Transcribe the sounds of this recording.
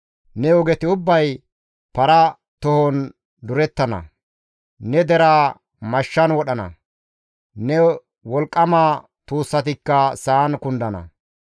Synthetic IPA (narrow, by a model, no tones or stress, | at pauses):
nɛɔɡɛt̪ɪʊbːɐj | pɐɾɐ | t̪ɔhɔn | d̪ʊɾɛt̪ːɐnɐ̰ | nɛd̪ɛɾaː | mɐʃːɐnwɔɗɐnɐ̰ | nɛ | wɔlkʼːɐmaː | t̪uːsːɐt̪ɪkːɐsaːnkʊnd̪ɐnɐ̰